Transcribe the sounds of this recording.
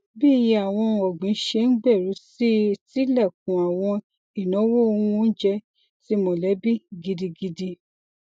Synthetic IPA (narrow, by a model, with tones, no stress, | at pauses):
bi˦˨˧ji˦a˨w̃ɔ̃˧ɔ˨ɡ͡bĩ˨˦ʃe˧n̩˦ɡ͡bɛ˦˨ɾu˨˦si˦ti˦lɛ˦˨kũ˨a˨w̃ɔ̃˧ | i˨nɔ̃˨˦wo˦o˧wũ˧n̩˦d͡ʒɛ˧ | ti˦mõ˨lɛ˨˦bi˦ɡi˧di˧ɡi˧di˧